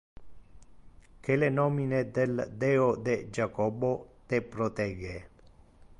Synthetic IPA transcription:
kelenɔːmined̪eld̪ɛod̪ed͡ʒakɔbot̪epɾot̪ɛɡe

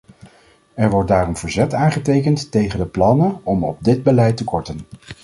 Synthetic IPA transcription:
ɛɹʋɔɹt̚daːrɔmvəɹzɛtaːnχətejkəntːejχəndəplɑnənɔmɔ̰b̚dɪd̚bəlɛjtəkɔɹtən

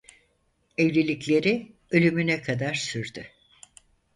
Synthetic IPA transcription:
evlʲilʲiclʲe̞ɾi | ø̞lʲymynɛkʰad̪aɾsyɾd̪y

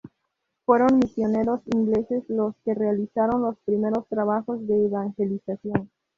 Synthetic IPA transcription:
fwe̞ɾo̞nmisjo̞ne̞ɾo̞siŋɡle̞se̞slo̞ske̞realisaɾo̞nlo̞spɾime̞ɾo̞st̪ɾaβaxo̞zðe̞ːβaŋxe̞lisasjo̞n

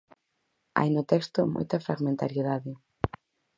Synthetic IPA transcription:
a̰jnʊt̪ɛkst̪omo̰jt̪ɐfɾaɣmẽnt̪aɾjeðaðɪ

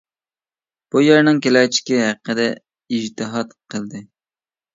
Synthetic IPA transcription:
b̥ujeɾnɨŋkʲelɛt͡ʃʰi̥kʲɛɦæqːəd̪ɛ | id͡ʒt̪ʰɨɦɑt̪qʰəlˠd̪ɨ

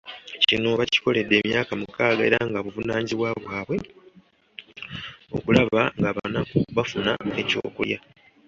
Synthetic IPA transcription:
cino̞βaci̥ko̞le̞dːe̞ːmjaːkamukaːɡae̞̰ɾaŋɡaβuvunaːɲziβwaβwaːβwe̞ | o̞̰kulaβaŋɡaβanakuβafuna̰eco̞̰ːkulja

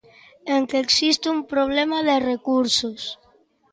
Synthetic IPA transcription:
eŋkeksist̪eumpɾoβ̞lemaðerekuɾsos

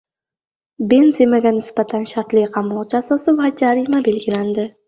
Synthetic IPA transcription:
be̞nzemaɡʲanɪsbat̪ʰanʃaɾt̪lɪjqʰɑmɒt͡ʃʰasɒsɪvad͡ʒaɾɪmabe̞lɡʲɪland̪ɪ

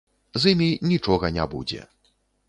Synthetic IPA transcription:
zimʲinʲit͡ʂɔɣɐnʲabud͡zʲɛ̰

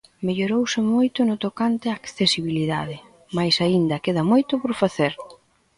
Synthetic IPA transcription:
meʎoɾowsɪmojt̪ʊnʊt̪okant̪ɪakθesiβiliðaðɪ | majsaind̪ɐkeðɐmojt̪ʊpoɾfaθeɾ

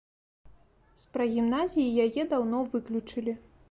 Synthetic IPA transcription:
spɾɐɣʲimnazʲijijajɛd̪awnɔvɨklʲut͡ʂɨlʲi

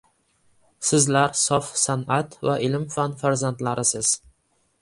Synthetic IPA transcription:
sɪzlaɾsɒfsanat̪vaʔɪlmfanfaɾzant̪laɾɪsɪz̥

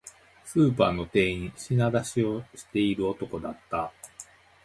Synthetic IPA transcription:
sɨːpaːno̞t̪e̞ːĩɕinad̪aɕio̞ɕi̥t̪e̞iɾɯ̟o̞t̪o̞ko̞d̪at̪ːa

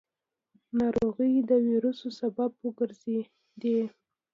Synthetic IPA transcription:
nɑɾoɣəjd̪əwiɾusosababwəɡəɾze | d̪e

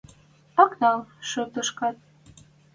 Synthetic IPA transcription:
ɑknɑlʃot̪ɤ̆ʃkɑt̪̚

